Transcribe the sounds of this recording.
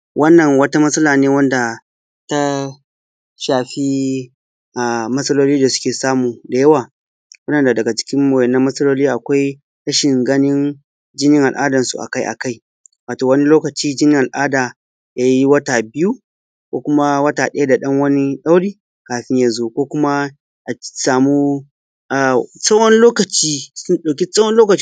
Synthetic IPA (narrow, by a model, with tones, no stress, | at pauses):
wʔɐ˦nːɐ˨ŋwɐ˦ta˦mɐ˦sʼɐ˦laː˨neː˦wɐ˦nda˨ | ta˦ | ʃaː˨ɸi˦ | ʔa˨mɐ˦sɐ˦loː˦liː˦da˨sʊ̥˦kʲeː˨saː˦muː˨da˨jɐ˦waː˨ | wɐ˦ɗɐ˨nda˨dɐ˨ɡa˨t͡ʃɪ̥˦kʲɪ˦mmoː˨jɛ˨nːɐ˦mːɐ˦sɐ˦loː˦liː˦ʔa˨kʷa˦j | tɐ˦ʃɪ˨ŋɡɐ˦nɪ˦n | d͡ʒɪ˦nɪ˦ŋʔa˨lʔaː˦dɐ˨nsṵ˨ʔa̰˨ka˦jʔa̰˨ka˦j | waː˨toː˨wɐ˦ni˦loː˦kɐ˨t͡ʃiː˦d͡ʒɪ˦nɪ˦ŋʔa˨lʔaː˦daː˨ | jaː˦ji˦wɐ˦taː˨bɪ˦ju˦ | kʷoː˦kʷʊ˦ma˦wɐ˦taː˨ɗɐ˦ja˦da˨ɗɐ˦ŋwɐ˦ni˦ɗa˦wɽiː˦ | kaː˨ɸɪ˦ɲjaː˦zoː˦kʷoː˦kʷʊ˦ma˦ | ʔa˨saː˨mu˦ | ʔa˨sʼɐ˦wɔ˦nloː˦kɐ˨t͡ʃiː˦sʊ˦nɗa˨kʲi˦sʼɐ˦wɔ˦nloː˦kɐ˨t͡ʃ